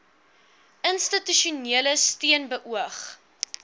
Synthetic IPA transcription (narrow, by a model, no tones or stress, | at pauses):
ənstityʃuniələstiənbəʔuəχ